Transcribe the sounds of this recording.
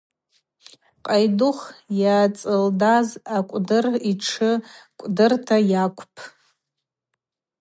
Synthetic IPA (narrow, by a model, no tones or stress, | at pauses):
qʼajdʊχjaːt͡sʼɨldazakʷʼdɨriʈ͡ʂʰɨkʷʼdɨrtʰajakʷʰʼpʼʰ